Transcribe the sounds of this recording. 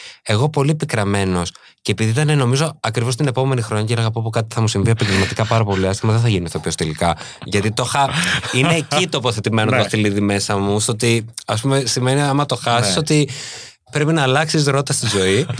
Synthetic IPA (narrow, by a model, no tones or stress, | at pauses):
e̞ɣo̞po̞liepikɾɐme̞no̞s | ce̞ːpiðiit̪ɐneno̞mizo̞ɐkɾivo̞st̪ine̞po̞me̞nixɾo̞ɲɐcenɐɣɐpopokɐt̪i̥θɐmusiɱviepɐɲɟelmɐt̪ikɐpɐɾɐpo̞liɐst̪imɐðeθɐʝinist̪opiost̪elikɐ | ʝɐt̪it̪o̞xɐine̞ːcit̪o̞ːpoθe̞t̪ime̞noɐst̪iliðime̞sɐmust̪oot̪iɐs̬pume̞sime̞niɐmɐt̪o̞xɐsi̥so̞t̪i | pɾe̞pinɐːlɐksizɾo̞t̪ɐst̪izo̞i